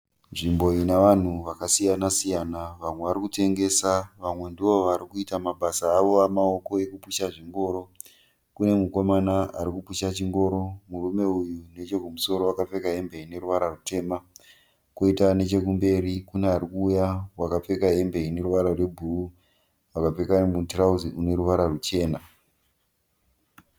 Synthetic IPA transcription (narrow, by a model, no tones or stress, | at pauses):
nʐimbo̞inaʋan̤uʋakasijanasijanaʋamwe̞ʋaɾikute̞ŋɡe̞saʋamwe̞ndiʋo̞ʋaɾikuitamabʱasaːʋo̞ʋamao̞ko̞e̞kupuʃaʐiŋɡo̞ːɾo̞ | kune̞muko̞manaaɾikupuʃat͡ʃiŋɡo̞ːɾo̞murume̞ujune̞t͡ʃe̞kumuso̞ɾo̞wakap͡fe̞kaɦe̞mbe̞ine̞ɾuʋaɾarute̞ːma | koitane̞t͡ʃe̞kumbe̞ɾikuneaɾikuːjawakap͡fe̞kaɦe̞mbe̞ine̞ɾuʋaɾarwe̞bʱuu | wakap͡fe̞kanemutrauziune̞ɾuʋaɾarut͡ʃe̞ːna